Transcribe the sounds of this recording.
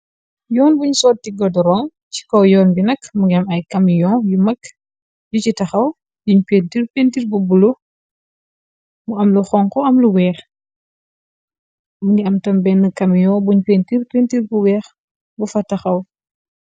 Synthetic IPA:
jɔːnbuɲsɔːt̚tiɡɔdɔɾɔŋ | ci̥kɔwjɔːnbinɐkmuŋɡɛmɐjkɐmijɔːjumɐk | jucitɐxɐw | juɲpentirpeːntirbubulo | muɐmluxɔŋkɔɐmluwɛːx | muŋɡiɐmtɐmbɛnɐkɐmijɔːbuɲpentirpentirbuwɛːx | bufɐtɐxɐw

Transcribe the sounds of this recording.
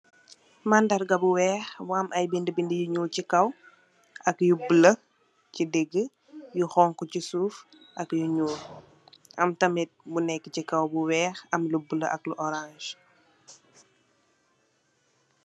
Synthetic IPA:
mandɐɾɡɐbuwɛːxwaːmʔɐjbindəbindəjuɲuːlcikɐw | ɐkjubələ | cidɛɡːə | juxɔːŋkɔcisuːf | ʔɐkjuɲuːl | ʔɐmtɐmɛt̚bunɛkːə̥cikɐwbuwɛːxɐmlubələʔɐkluʔɔɾãnʒ

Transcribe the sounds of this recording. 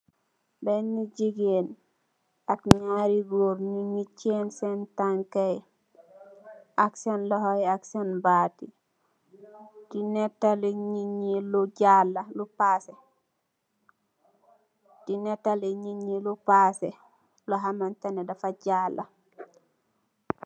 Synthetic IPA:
benːiɟiɡen | akɲaɾiɡoɾnimit͡ʃːensentaŋkej | aksenlɔɦojaksenbati | dinetːaleɲiɲiluɟalːalupase | d̥inetːaleɲiɲilupase | loɦamantanedafaɟalʔa

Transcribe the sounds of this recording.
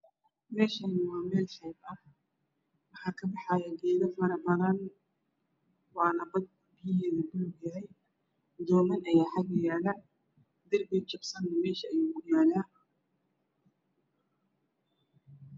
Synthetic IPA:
mɛːʃɐnɪwɑːmɛːlʃɛjbɐh | wɑħɑːkʰɐbɑħɑjɛɡɛːðɐfɐɾɐbɐðɐn | wɑːnɐbɐd̪̚kʰʊbɪjɪɦɛːðɐdʊlbjɐɦɛj | d̪ɔːmɐnɐjaːħaɡɐjaːlɐ | d̪ɐrbɛt͡ʃɐbsɐnmɛːʃɐʔɐjuːʊjaːla

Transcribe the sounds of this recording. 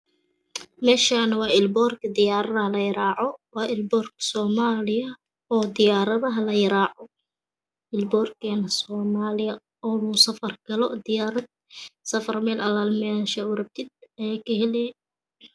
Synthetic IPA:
mɛːʃaːnɐwɑːɪlbɔːrkʰɐd̪ɪjaːɾɐðɐɦɐlɐjɐɾaːʕɔwɑːʔɪlbɔːrkʰɐ̥sɔːmaːlɪjɐ | ɔːd̪ɪjaːɾɐðɐɦɐlɐjɐɾaːʕɔ | ɪlbɔːrkʰɛːnɐsɔːmaːlɪjɐ | ɔːluːsɐfɐrɡɐlɔd̪ɪjaːɾɐd̪̚ | sɐfɐrmɛːlʔɐlaːlmɛːʃɐʊɾɐb̚t̪ʰɪd̪̚ɛkʰɐhɛlɛ

